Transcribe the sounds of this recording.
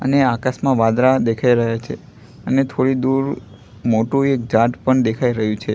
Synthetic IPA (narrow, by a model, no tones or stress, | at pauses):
ə̰neakasmãʋad̪ɾad̪ekʰaiɾəɦjat͡ʃʰe | ənet̪ʰoɽid̪uɾ | moʈũek̚d͡ʒaʈpəɳd̪ekʰaiɾəɦjũt͡ʃʰe